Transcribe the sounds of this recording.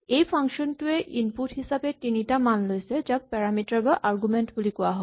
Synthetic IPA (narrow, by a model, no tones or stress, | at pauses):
ejpʰaŋksɔntʊɛʔinputʰhisapɛtinitamanlojsɛd͡ʒak̚pɛɹamitaɹbaʔaɹɡumɛntbulikʊwaɦɔ